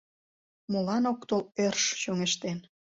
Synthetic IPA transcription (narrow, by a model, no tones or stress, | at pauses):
molɑnokt̪olerʃt͡ɕoŋeʃt̪en